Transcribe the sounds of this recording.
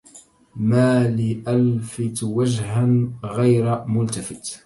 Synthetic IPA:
maːlɪʔalfɪt̪wad͡ʒɦanɣajɾmʊlt̪afɪt̪

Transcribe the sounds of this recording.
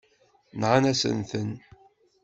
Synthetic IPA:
nʕanæsə̰nθən

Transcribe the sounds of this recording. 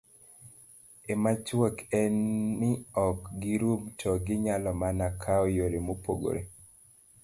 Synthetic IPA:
emat͡ʃwokɛnːɪɔkɡiɾumtʰɔɡɪɲalɔmanakʰaɔjoɾemopo̰ɡo̰ɾḛ

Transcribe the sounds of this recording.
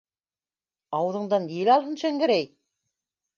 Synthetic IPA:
ɑwɤ̆ðɤ̆ɴd̪ɑnjelɑlˠɦɤ̆nʃæŋɡɘ̆ɾæj

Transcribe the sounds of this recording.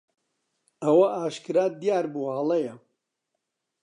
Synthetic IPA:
ɐwɐʔaːʃkɨɾaːd̪jaːɾbuaːlˠɐjɐ

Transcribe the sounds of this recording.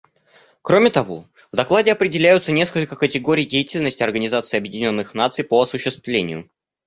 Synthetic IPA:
kɾo̞mʲɪt̪ɐvo̞̰ | vd̪ɐklˠadʲɪɐpɾʲɪdʲɪlʲæjʊt̪sənʲe̞skəlʲkəkətʲɪɡoɾʲɪjdʲejɪtʲɪlʲnəsʲtʲɪɐrɡənʲɪzat̪sɨɐbjɪdʲɪnʲo̞nːɨxnat̪sɨjpoɐsʊɕːɪst̪vlʲenʲɪjʊ̰

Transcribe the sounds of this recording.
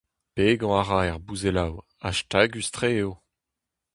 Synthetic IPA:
peɡɑ̃aʁaɛʁbuzelaw | a̰ʃtaɡyst̪χeeo

